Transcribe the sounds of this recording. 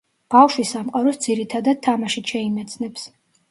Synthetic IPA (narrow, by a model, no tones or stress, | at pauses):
b̥afʃwisamqʼaɾɔsd̪ziɾit̪ʰad̪ad̪̥̚t̪ʰːamaʃit̪ʃɛimɛt̪sʰnɛps